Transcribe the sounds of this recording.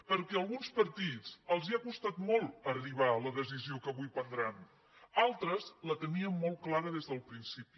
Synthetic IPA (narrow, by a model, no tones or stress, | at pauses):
pəɾkɛəlˠɣunspəɾt̪it͡səlˠziakust̪at̪mɔlˠəriβ̞aləðəziziokəβujpənd̪ɾan | alˠt̪ɾəzlət̪əniəmːɔlˠtklaɾəðezðəlˠpɾinsipi̥